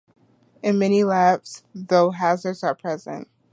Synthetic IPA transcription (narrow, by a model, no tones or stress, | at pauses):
ɨ̃nmɛnilæpsðoʊɦæzə˞dz̥ə˞pʰɹ̥ɛzɨ̰̃nt̚